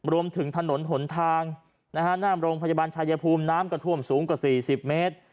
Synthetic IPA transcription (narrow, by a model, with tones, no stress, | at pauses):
ɾu˧əmt̪ʰɯ˩˦ŋt̪ʰa˧no˩˦nɦo˩˦nt̪ʰaː˧ŋ | na˦˥kʰa˥naː˥˩mɾoː˧ŋpʰa˧ja˧baː˧nt͡ɕʰaː˧jaː˧pʰuː˧mnaː˦˥mkɔ˧˩t̪ʰu˥˩əmsuː˩˦ŋkwaː˨˩siː˨˩si˨˩p̚meː˦˥t̪̚